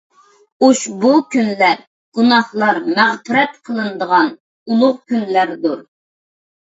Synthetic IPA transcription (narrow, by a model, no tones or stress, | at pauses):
uʃbukʲynlæɾ | ɡ̥unɑχlˠɑɾmæʁt̪ɨɾɛt̪qʰəlˠənd̪əʁɑn | ulˠʊʁkʲynlæɾd̪uɾ